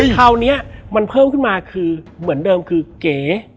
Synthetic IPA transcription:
k̪ʰaː˧wni˦˥ɐma˧npʰɤː˥˩mkʰɯ˥˩nmaː˧kʰɯː˧mɯ˩˦əndɤː˧mkʰɯː˧keː˨˩˦

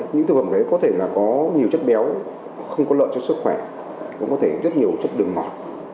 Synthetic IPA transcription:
ɲɨ̰˧˥t̪ʰɨ˨˩fə˧˩ɗə˨˦jkɔ˨˦t̪ʰe˧˩laː˨˩kɔ˨˦ɲi˨˩əwt͡ɕə˦˥t̚ɓɛ˨˦w | xə˧wŋ͡mkɔ˨˦lə̰ː˧˨jt͡ɕɔ˧sɨ˦˥k̚xwɛ˧˩ | kʊ̰˧˥ŋ͡mkɔ˨˦t̪ʰe˧˩zə˦˥t̚ɲi˨˩əwt͡ɕə˦˥t̚ɗɨ˨˩ək̚mɔ˨˩t̚

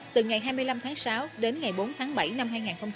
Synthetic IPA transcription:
t̪ɨ˨˩ŋa˨˩jɦaː˧jmɨ˧əjla˧mt̪ʰaː˨˦ŋsaː˨˦wɗe˨˦nŋa˨˩jɓo˨˦nt̪ʰaː˨˦ŋɓa̰˧˩jna˧mɦaː˧jŋaː˨˩nxə˧wŋ͡m

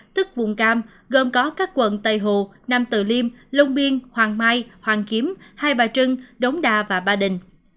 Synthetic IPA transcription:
t̪ɨ˦˥k̚vʊ̰˨˧˩ŋ͡mkaː˧m | ɣə˨˩nkɔ˨˦kaː˦˥kːwə̰˧˨nt̪ə˨˩jɦṵ˧˨ | na˧mt̪ɨ̰˧˩li˧mlə˧wŋ͡mɓi˧ənhwaː˨˩ŋmaː˧jhwaː˨˩ŋki˨˦əmhaː˧jɓaː˨˩t͡ɕɨ˧ŋɗə˨˦wŋ͡mɗaː˧˩vaː˨˩ɓaː˧ɗï˨˩ŋ̟

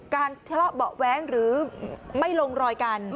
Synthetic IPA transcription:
kaː˧nt͡ɕʰlɔ˦˥bɔ˨˩ʔwɛː˦˥ŋɾɯː˩˦ma˥˩jlo˧ŋɾɔː˧jka˧nm

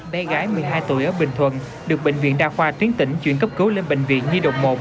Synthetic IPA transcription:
ɓɛ˧ɣaː˨˦jmɨ˨˩əjɦaː˧jt̪u˧˩əjʔəː˧˩ɓï˧˨˩ŋ̟t̪ʰwə̰˧˨n | ɗɨ˨˩ək̚ɓḛ˧˨ŋ̟vḭ˧˨nɗaː˧˨˩xwaː˧t̪wi˨˦əŋt̪ï˧˩ŋ̟t͡ɕwḭ˧˨ənkə˦˥p̚kɨ˨˦wle˧nɓḛ˧˨ŋ̟vḭ˧˨ənɲɨ˧ɗə̰˨wŋ͡m̚mo˨˩

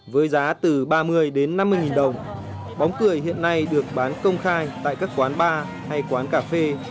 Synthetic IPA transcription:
vəː˨˦jzaː˨˦t̪ɨ˨˩ɓaː˧mɨ˧əjɗe˨˦nːa˧mːɨ˧jŋi˨˩nɗə˨˩wŋ͡m | ɓa˨˦wŋ͡mkɨ˧˩əjhḭ˧˨ənːa˧jɗɨ˨˩ək̚ɓaː˨˦nkə˧wŋ͡mxaː˧jt̪a̰ː˧˨jkaː˦˥kːwaː˨˦nɓaː˧ | ha˧jkwaː˨˦nkaː˧˩fe˧

